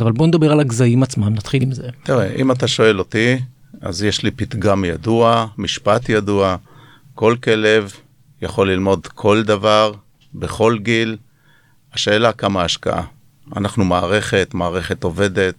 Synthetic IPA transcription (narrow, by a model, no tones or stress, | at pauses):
avalbo̞ned̪abe̞ʁalaɡzaimat͡smamnat̪χilimzet̪iʁeʔimat̪̬aʃo̞e̞lo̞t̪i | a̰zjeʃlipit̪ɡamjaduamiʃpat̪jadua | ko̞lke̞le̞v | jaχo̞lːilmo̞d̪kʰo̞ld̪avaʁ | beχo̞lɡil | aʃe̞ːlakamaːʃka̰ʔa̰ | a̰naχnumaːʁe̞χe̞t̪maːʁe̞χe̞t̪o̞ve̞de̞t̪